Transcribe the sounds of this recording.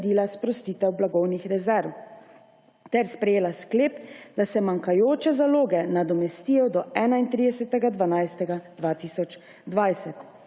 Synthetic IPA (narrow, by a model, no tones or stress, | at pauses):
d̪ilaspɾɔst̪iːt̪ɛwblaɡɔwnixɾɛzɛɾw | t̪ɛɾspɾɛjeːlaskleːpd̪asɛmaŋkajoːt͡ʃɛzaloːɡɛnad̪ɔmɛst̪ijɔd̪ɔɛːnaint̪ɾid̪ɛsɛt̪ɛɡad̪ʋanajst̪ɛɡad̪̥ʋaːt̪isɔt͡ʃ | d̪ʋajsɛt̪